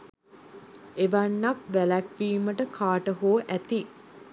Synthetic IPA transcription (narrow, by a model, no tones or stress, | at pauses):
eʋɐɳːak̚ʋælækʋiːməʈəkʰaːʈəɦoːʔæt̪i